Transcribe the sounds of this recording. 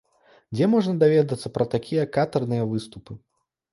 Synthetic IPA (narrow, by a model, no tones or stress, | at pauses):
d͡zʲɛmɔʐnɐd̪avʲɛd̪ɐt̪sːɐpɾɐt̪akʲʰijɐkat̪ɐrnɨjɐvɨst̪upɨ